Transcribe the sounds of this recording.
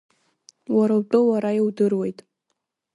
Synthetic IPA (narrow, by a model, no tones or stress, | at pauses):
waɾawtʼowaɾajiwdɨrwe̞jtʼ